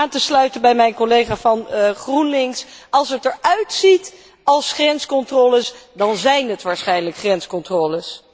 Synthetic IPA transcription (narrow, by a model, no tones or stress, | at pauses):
aːntəslœɥtənbɛjmɛjnkolejχaːvɑnχrunlɪŋsɑlˠsətəɹœɥtsit | ɑlˠsχrɛnskɔntroːləsdɑnzɛjnɦətʋaːɹsχɛjnləkχrɛnskɔntroːləs